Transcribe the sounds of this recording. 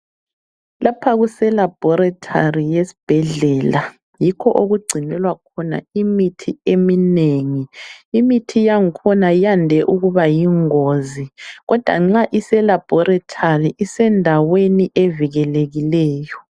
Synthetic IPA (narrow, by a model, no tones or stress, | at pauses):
lapʰaɣusɛlab̥ʱɔɾatʰarijesi̥b̥ʱɛɮɛla | jikʰɔʔoɣuɡ͡ǀʱinɛlwakʰɔna̰imitʰiemineŋiːmitʰijaŋikʰɔnajandʱɛʔuɣuβajiŋoziɣɔd̥ʱwa̰ŋ͡ǁaʔisɛlab̥ʱɔɾatʰariʔisɛndʱaweniʔeviɣɛleɣilɛːjɔ